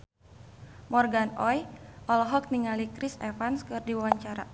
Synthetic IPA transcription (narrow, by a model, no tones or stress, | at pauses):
mɔrɡanɔjʔɔlɔɦɔk̚niŋalikɾisɛfanskɨrdiwawaɲt͡ʃaɾa̰